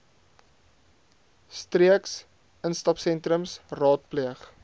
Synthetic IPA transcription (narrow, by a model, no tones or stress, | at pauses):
striəks | ənstɐpsɛntɾəmsrɑːt̚pliəχ